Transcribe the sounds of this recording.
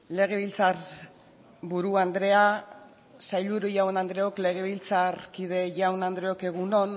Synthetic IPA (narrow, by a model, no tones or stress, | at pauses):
le̞ɣ̞e̞βilt͡saɾ | buɾuand̪ɾe̞a | sajluɾuʝawnand̪ɾe̞okle̞ɣ̞e̞βilt͡sarkiðe̞ʝawnand̪ɾe̞o̞ke̞ɣ̞uno̞n